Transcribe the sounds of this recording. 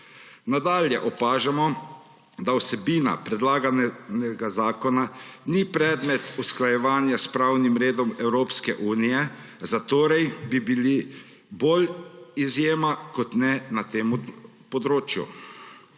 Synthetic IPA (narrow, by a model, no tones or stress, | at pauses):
nad̪aːljɛʔɔpaːʒamɔ | d̪awsɛbiːna̰pɾɛd̪laːɡanɛnɛɡazaːkɔnanipɾɛːd̪mɛt̪usklajɛʋaːnjaspɾawnimɾeːd̪ɔmɛwɾoːpskɛʔuːnijɛ | zat̪oːɾɛjbibili | boːlizjeːmakɔt̪nɛnat̪eːm | pɔd̪ɾoːt͡ʃjṵ